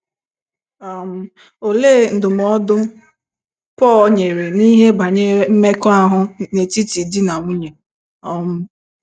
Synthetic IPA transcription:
a˨m̩˦ | o˨le˦˨n̩˨dʊ˨m˨ɔ˦dʊ˦ | pɔ˦˨˦ɲe˨ɾe˨ni˦ɦe˦ba˨ɲe˦m̩˦me˦kɔ˦a˨ɦʊ˦ne˨ti˦ti˨di˦na˨ŋʷu˦ɲe˨ | ɔ˦m̩˦

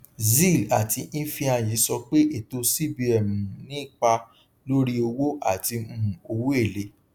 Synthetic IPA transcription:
zi˦˨la˨ti˧nĩ˦fĩ˧a˧ji˨˦sɔ˧k͡pe˦ʔe˦˨to˧si˦bi˧ɛ˨mũ˨nĩ˦˨k͡pa˧ | lo˦ɾi˦o˧wo˦a˦˨ti˧mũ˦˨o˧wo˦e˦˨le˧˦

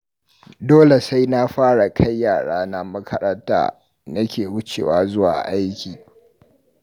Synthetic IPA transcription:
doː˦le˨sa˦jna˦ɸaː˦ɽa˨kʰa˦jːaː˨ɽaː˦na˦mɐ˦kʰɐ˦ɾɐ˦nta̰ː˨ | nɐ˦kʲeː˨wʊ˦t͡ʃḛː˨waː˨zʊ˦wa̰ː˨ʔa˦jkʲiː˨

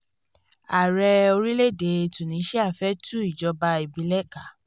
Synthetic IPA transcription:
a˨ɾɛ˧o˧ɾi˦le˦˨de˨˧tũ˨nĩ˨˦ʃɛ˦a˦˨fɛ˦tu˦i˦˨d͡ʒɔ˨˧˦ba˧i˨bi˨˦lɛ˦ka˦˨

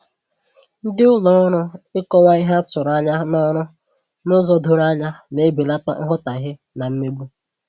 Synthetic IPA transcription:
n̩˦dɪ˦ʊ˦lɔ˦ɾʊ˦ɪ˦kɔ˦wa˦i˦ɦa˦tʊ˨ɾa˦ɲa˦nɔ˦ɾʊ˦ | nʊ˦zɔ˦dʊ˨ɾa˦ɲa˦ne˦bi˨la˦k͡pa̰˦ŋ̩˦ɦʊ˦ta˨ɦɪ˦ | na˨m̩˦me˦ɡ͡bʷu˦

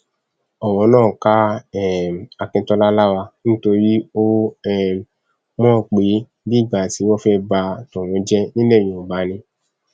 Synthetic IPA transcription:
ɔ˨w̃ɔ̃˨˧˦nãː˦˨ka˦ɛ˦˨a˧kĩ˧tɔ˧la˦la˦wa˧nĩ˦to˧ɾi˦o˦ɛ˦˨ | mɔ̃˦˨k͡pe˨˦ | bi˦˨ɡ͡ba˨ti˨˦wɔ˦fɛ˦ba˧tɔ̃˨w̃ɔ̃˨˧˦d͡ʒɛ˦nĩ˦le˦˨j̃ĩ˨o˨ɡ͡ba˨˦nĩ˧

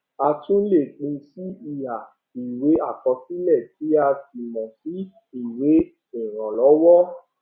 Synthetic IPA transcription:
a˧tũ˦le˦˨k͡pĩ˧si˦i˦˨ja˨ | i˨we˨˦a˦˨kɔ˧si˦lɛ˦˨ti˨˦a˧ti˨mɔ̃˨si˨˦ | i˦˨we˨˦ | i˨ɾ̃ã˨lɔ˨˦wɔ˦

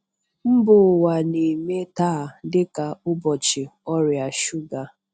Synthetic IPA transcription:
m̩˦bʊ˨wa˨ne˨me˦taː˦˨dɪ˦ka˨ʊ˦bɔ˨t͡ʃɪ˨ɔ˦ɾja˨ʃu˦ɡa˨

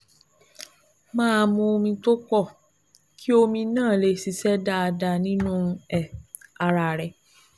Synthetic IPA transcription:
mãː˦˧mũ˧o˧mĩ˧to˦kɔ˦˨ | kʰi˦o˧mĩ˧nãː˦˨le˧˦si˧sɛ˦da˦a˧da˧nĩ˦nũ˦˧ɛ˨ | a˧ɾa˧ɾɛ˧

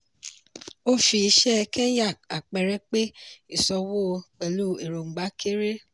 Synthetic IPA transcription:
o˦fi˧i˧ʃɛ˦˧kɛ̃˦ja˦˨k̚a˨k͡pɛ˨ɾɛ˦k͡pe˦i˨sɔ˧wo˦˧k͡pe˨lu˦˨e˨ɾo˨ŋ͡m̩˨ɡ͡ba˨˦kʰe˦ɾe˦

